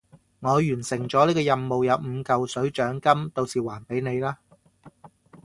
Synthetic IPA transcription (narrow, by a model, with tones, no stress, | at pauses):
ŋɔː˨˧jyː˨˩nsɪ˨˩ŋt͡sɔː˨˦liː˥kɔː˧jɐ˧mːo˨wjɐ˨˧wm̩˨˧kɐ˨wsɵ˨˥ɥt͡ʃœː˨˥ŋkɐ˥mt̪o˧wsiː˨waː˨˩npe˨˥jne˨˧jlaː˥